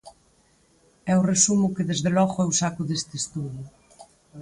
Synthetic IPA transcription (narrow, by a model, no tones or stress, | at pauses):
ɛʊresumʊkeðezðelɔɣʊɛusakʊðest̪est̪uðʊ